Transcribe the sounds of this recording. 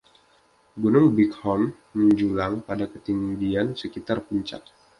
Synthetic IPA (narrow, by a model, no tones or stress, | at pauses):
ɡunʊŋbikhɔmː | əɲd͡ʒulaŋpadakət̪iŋdiansəkit̪arpuɲt͡ʃa̰t̪̚